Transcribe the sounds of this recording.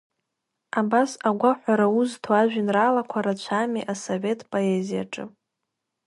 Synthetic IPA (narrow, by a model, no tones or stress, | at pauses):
abasaɡʷaħʷaɾauztʰwaʒᶣɪnraːlakʷʰaɾat͡ɕʷʰamiʔasove̞tʰʼpʼo̞e̞zija̰ʈ͡ʂʼɨ̰